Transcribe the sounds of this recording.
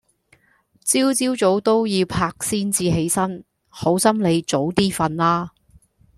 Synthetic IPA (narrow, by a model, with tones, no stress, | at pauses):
t͡siː˥wt͡siː˥wt͡so˨˥wt̪o˥wjiː˨˧wpʰaː˧k̚siː˥nt͡siː˧ɦe˨˥jsɐ˥n | ho˨˥wsɐ˥mle˨˧jt͡so˨˥wt̪iː˥fɐ˧nlaː˥